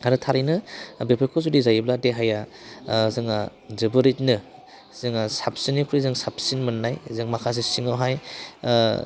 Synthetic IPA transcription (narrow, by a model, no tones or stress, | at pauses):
aɾɯtʰaɾinɯbepʰakʰɔzudizajibladeɦaja | zɯŋa | zɯbɯɾit̚nɯ | zɯŋasap̚sinːikʰuɾizɯŋsap̚sinmɯnːajzɯŋmakʰas̬esiŋɯwɦaj